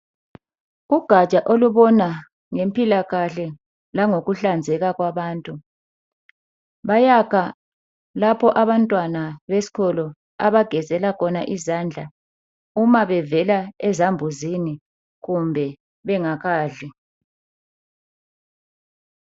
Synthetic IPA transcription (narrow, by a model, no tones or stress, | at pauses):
uɡ̥ʱat͡ʃʼaʔoluβɔna | ŋempʼilaɣaɬɛ | laŋoɣuɬand͡zʱɛɣaɣwaβaːntʼu | βajakʰa | lapʰɔʔaβantʼwanaβesi̥ɣɔlɔ | a̰βaɡ̥ʱɛzɛlakʰɔnaʔizand͡ɮʱa | umaβɛvɛlaɛzambʱuzini | ɣumbʱɛ | βɛŋaɣaːɮi